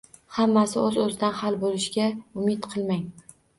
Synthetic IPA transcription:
hamːasɪɵzɵzd̪anhalˠbolɪʃɡʲaʊmɪt̪qʰɨlˠmaŋ

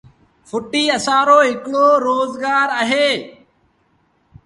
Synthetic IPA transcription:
fʰʊʈiːəsãːɾoːɦɪkɽoːɾoːzɡaːɾəɦeː

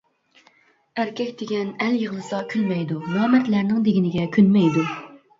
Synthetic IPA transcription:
æɾkʲɛkʲd̪eɡʲɛnæljəʁlˠɨsɑkʲʰylmɛjd̪umuhɛmːɛt̪læɾnɪŋd̪eɡʲinɪɡʲɛkʲʰynmɛjd̪u

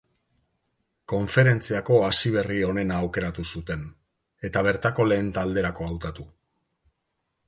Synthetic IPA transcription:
ko̞ɱfe̞ɾe̞nt͡siako̞asiβ̞e̞rio̞ne̞naːwke̞ɾat̪usut̪e̞n | e̞t̪aβ̞e̞ɾt̪ako̞le̞ːnt̪ald̪e̞ɾako̞awt̪at̪u

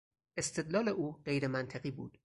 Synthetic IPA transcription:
ʔe̞st̪ʰe̞d̪lɒːleʔuːɢe̞jɾemænt̪ʰeɣiːbuːd̪̥

